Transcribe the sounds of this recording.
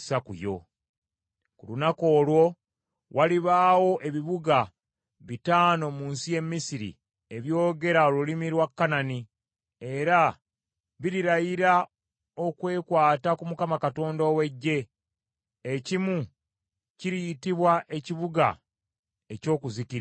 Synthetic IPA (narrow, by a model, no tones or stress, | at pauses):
sakṵjo̞̰ | kulunako̞ːlwo̞ | wʔaliβaːwo̞ʔe̞βiβuɡa | βitaːno̞muːnsije̞mːisiɾḭ | e̞βjo̞ːɡe̞ɾaolulimiɾwakːanani | e̞ɾa | βiɾiɾajiɾa | o̞kwe̞ːkwaːtakumukamakato̞ːndowe̞ɟːe̞ː | cimu | ciɾijitiβwaʔe̞ciβuɡa̰ | e̞co̞ːkuzikiɾ